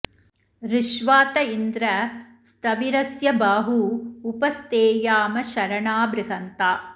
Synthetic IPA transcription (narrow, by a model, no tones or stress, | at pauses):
ɾɪʃʋaːt̪ɐind̪ɾɐ | st̪ɐʋiɾɐsjɐbaːɦuːpɐst̪eːjaːmɐʃɐɾɐɳaːbɾɪɦɐnt̪aː